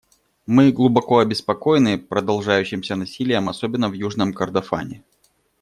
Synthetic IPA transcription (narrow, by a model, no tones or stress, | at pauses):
mɨɡlˠʊbɐko̞ɐbʲɪspɐko̞jɪnɨpɾəd̪ɐlˠʐajʉɕːɪmsʲənɐsʲilʲɪjəmɐsobʲɪnːəvjuʐnəmkərd̪ɐfa̰nʲɪ